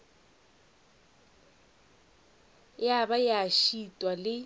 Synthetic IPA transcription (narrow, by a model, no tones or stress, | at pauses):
jabajɪaʃitʼwalɪ